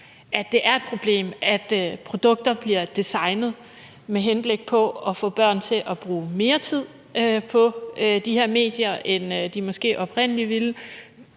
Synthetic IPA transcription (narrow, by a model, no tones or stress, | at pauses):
ʔæd̥e̝ʔæɐe̝d̥pʰʁo̝b̥le̝̰ːmæd̥pʰʁo̝d̥ɔ̽ɡ̥̚d̥ɐb̥liɐ̰d̥isɑ̈ɪnð̩ˠ | meɦenb̥le̝ɡ̥̚pʰɒ̽ɒ̽fɔ̰̽ːb̥ɶɐ̰nt͡sʰe̝ʔɒ̽b̥ʁuːme̝ːɐt͡sʰið̞̰ˠ | pʰɒ̽d̥iheɐme̝̰ːd̥jɐʔend̥imɒ̽sɡ̥e̝̰ːʔɒ̽pʰʁen̰əliʋil